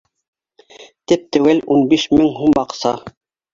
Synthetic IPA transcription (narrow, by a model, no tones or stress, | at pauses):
t̪ip̚t̪ɘ̆wɘlunbiʃmɘŋɦumbɑqsɑ